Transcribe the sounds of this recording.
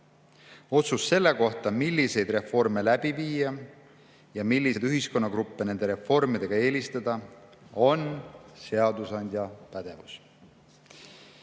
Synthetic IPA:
o̞t̪susːe̞lːe̞ko̞ht̪ɑmilʲːise̞jd̪̥re̞fo̞rme̞læb̥iviːjɑ | jɑmilʲːid̪yɦisko̞nːɑkɾupːene̞nd̪̥e̞ɾe̞fo̞rmid̪̥e̞ɡ̥ɑe̞ːlist̪ɑd̪̥ɑ | o̞nse̞ɑd̪usɑnʲd̪̥ʲjɑpæd̪̥e̞vus

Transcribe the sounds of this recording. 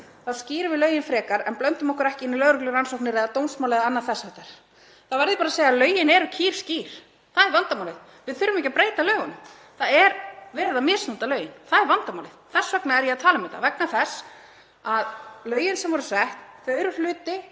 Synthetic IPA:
θawsciːɾɪvɪðlœːɥjɪnfɾɛːkaɾɛnplœnt̪ʏmɔhkʏɾɛhcɪɪnːilœːɣɾʏklɪɾransowknɪɾɛðat̪oːwnsmawlɛðanːaθɛsːahɛht̪aɾ̥ | θavɛɾðɪpaːɾaseːjaalœːɥjɪnɛɾʏcʰiːɾ̥sciːɾ̥ | θaðɛɾvant̪amawlɪð | vɪðθʏɾːʏmɛhcapɾejt̪alœːɣʏnʏ | θaðɛɾvɛɾðamɛ̥ːsnunt̪alœːɥjɪnθaðɛɾvant̪amawlɪðθɛsːœknaɛɾjɛaðt̪ʰaːlamɪt̪a̰vɛknaθɛs | aðlœːɥjɪnsɛmvɔɾʏ̥sɛht̪θœɥɾʏ̥lʏːt̪ɪ

